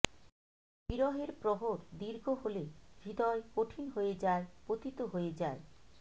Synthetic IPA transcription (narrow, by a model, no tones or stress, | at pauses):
biɾɔɦeɾpɾɔɦoɾd̪iɾɡʱoɦolebʱid̪ɔekoʈʰinɦoed͡ʑaepot̪it̪oɦoed͡ʑae